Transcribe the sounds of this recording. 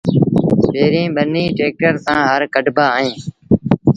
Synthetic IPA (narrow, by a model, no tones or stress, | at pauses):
peːɾĩːɓənĩːʈeːk̚ʈəɾt̪ãːɦəɾkəɖʱbaːɦẽː